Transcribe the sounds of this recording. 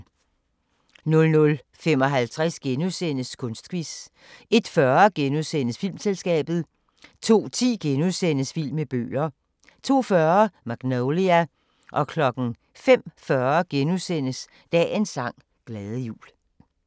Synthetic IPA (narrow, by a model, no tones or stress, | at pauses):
nɔ̽lnɔ̽l | fem̰ɒ̽ɦælt͡sʰʁasɡ̥enuðˠsen̰əskʰɔ̽nsd̥ɡ̥ʋis | e̝d̥fɶɐɡ̥enuðˠsenəsfil̰mselsɡ̥ɛ̰ːb̥ð̞̩ˠ | t͡sʰo̝̰ːt͡sʰḭːɡ̥enuðˠsen̰əsfil̰meb̥ø̰ːɐ | t͡sʰo̝̰ːfɶɐmɑ̈ɡ̥noʊliæ | ʔɒ̽kʰlɒ̽ɡ̥n̩ | fem̰fɶɐɡ̥enuðˠsen̰əs | d̥ɛ̰e̝nsɑ̈ŋ̰ | ɡ̥lɛð̞ˠəjṵːl